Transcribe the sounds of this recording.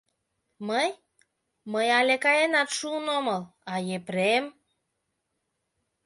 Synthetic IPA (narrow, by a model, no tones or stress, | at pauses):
məj | məjalʲekajenat̪ʃunoməl | ajepɾem